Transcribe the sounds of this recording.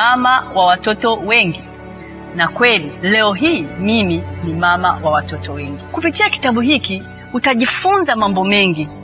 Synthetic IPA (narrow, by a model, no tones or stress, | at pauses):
amawawatɔtɔwɛŋɡi | nakwɛlilɛɔɦiːmiminimama̰wawatɔtɔwɛŋɡikupitiaki̥taɓuɦiki | utaʄifunzamambɔmɛŋɡi